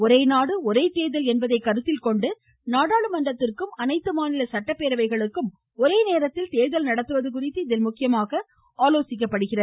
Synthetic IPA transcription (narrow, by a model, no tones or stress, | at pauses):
ɔɾɐɪnaːɽɯɔɾeːt̪eːðɐlɛnbɐðɐɪkːɐɾɯt̪ːɪlkɔɳɖɯ | naːɽaːɭɯmɐɳɖɐt̪ːɪrkɯmɐnɐɪt̪ːɯmaːnɪlɐsɐʈːɐpːeːɾɐʋɐɪɣɐɭɯkːɯm | ɔɾeːneːɾɐt̪ːɪlt̪eːðɐlnɐɽɐt̪ːɯʋɐðɯkʊrɪt̪ːɯɪðɪlmʊkːɪjɐmaːɣɐ | aːloːsɪk̬ːɐpːɐɽɯɣɪrɐð